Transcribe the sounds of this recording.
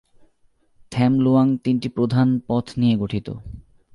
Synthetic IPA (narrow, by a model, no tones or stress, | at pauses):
t̪ʰɛmloaŋt̪inʈipɾod̪ʱanpɔt̪ʰnijeɡoʈʰit̪o̰